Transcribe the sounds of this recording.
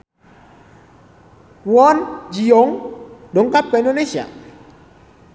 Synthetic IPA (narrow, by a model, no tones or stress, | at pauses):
wɔnd͡ʒijoŋdoŋkap̚ːaindonesia̰